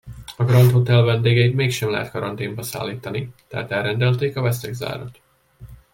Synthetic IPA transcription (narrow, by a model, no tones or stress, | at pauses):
ɒɡrɒnt̪hot̪ɛlvɛnd̪eːɡɛit̪meːkʃɛmlɛ̰ɦɛt̪kɒɾɒnt̪eːmbɒsa̰ːlːiːt̪ɒnit̪ɛɦːt̪ɛlɾɛnd̪ɛlt̪eːkɒvɛst̪ɛɡza̰ːɾɒ̰t̪